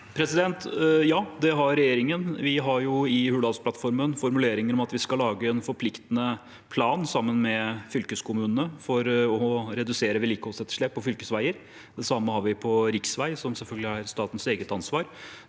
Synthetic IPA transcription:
pʰɾɛsɪd̪ɛnt̪jɑːd̪ɛɦɑɾɾɛjeːɾɪŋənʋɪɦɑɾjʊɪhʉːlɑːlspʰlɑt̪fɔɾmənfɔɾmʉleːɾɪŋəɾɔmɑt̪ʋɪskɑlːɑːɡəɛnfɔɾpʰlɪkt̪ənə | pʰlɑːnsɑmːənmɛfʏlkəskʰʊmʉːnənəfɔɾɔɔɾɛd̪ʉseːɾəʋɛliːkəhɔsɛt̪ːə̥ʂɭɛːpʰːɔfʏlkəsʋæɪəɾ | d̪ɛsɑmːəhɑɾʋɪpʰɔɾɪksʋæɪsɔmsɛlfœlɡəlɪæɾst̪ɑːt̪ən̩seːɡət̪ɑnsʋɑːɾ

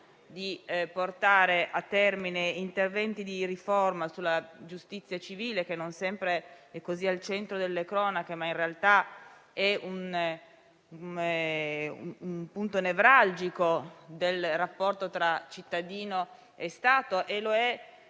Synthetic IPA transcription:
d̪iport̪aːɾeʔat̪ːɛrmineint̪ervɛnt̪id̪iɾiformasulːad͡ʒust̪it̪sːjat͡ʃiviːlekenːonsɛmpɾeɛkːozialt͡ʃɛnt̪ɾod̪elːekɾɔːnakemainrealt̪a | ɛun | umpunt̪onevɾald͡ʒikod̪elrapːɔrt̪ot̪ɾat͡ʃit̪ːad̪iːno | est̪aːt̪oʔeloɛ

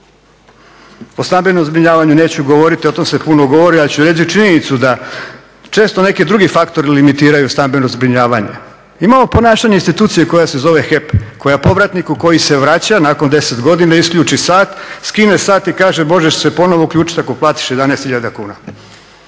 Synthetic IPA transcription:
ost̪ambe̞nomzbɾiɲaːʋaɲune̞ːt͡ɕuɡo̞ʋo̞ɾit̪io̞t̪o̞mse̞punoɡo̞ʋo̞ɾialit͡ɕuɾe̞t͡ɕitt͡ʃiɲenit̪sud̪a | t͡ʃe̞ːst̪o̞ne̞kid̪ɾuɡifakt̪o̞ɾilimit̪iːɾajust̪ambe̞nozbɾiɲaːʋaɲe̞̰ | imaːmo̞po̞naːʃaɲeinst̪it̪uːt̪sijeko̞jase̞zo̞ʋe̞xepko̞japo̞ʋɾat̪nikuko̞jise̞ʋɾaːt͡ɕanaːkond̪e̞set̪ɡo̞d̪inaisklʎuːt͡ʃisaːt̪skinesaːt̪ikaːʒemo̞ʒe̞ʃse̞po̞no̞ʋoukʎʲuːt͡ʃi̥t̪akoplˠaːt̪i̥ʃjed̪anɛːst̪hiʎad̪akuːna

